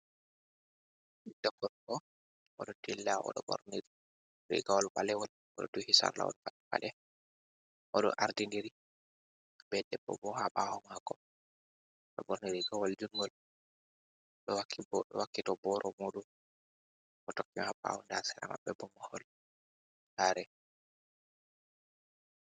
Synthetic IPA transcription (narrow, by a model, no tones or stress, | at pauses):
d̥akːɔɾɔ | ʔɔɗɔtilːaɔ̰ɗɔbɔ̰ɾniɾ | ɾḭɡawɔlbalɛwɔl | ɔɗɔduhisa̰ɾla̰wɔ̰nfatːba̰ɗɛ | ʔɔɗɔ̰ʔaɾdindiɾi | bɛɗɛbɔ̰bɔhaɓahɔmaɡɔ | ɗɔbɔɾniɾiɡawɔld͡ʒuŋɡɔl | ɗɔwakʰːibɔɗɔ̰wakːitɔbɔɾʔɔmuɗum | ʔɔtɔkːimhaɓa̰hɔndasɛɾa̰ma̰bːɛbɔmahɔl | haɾɛ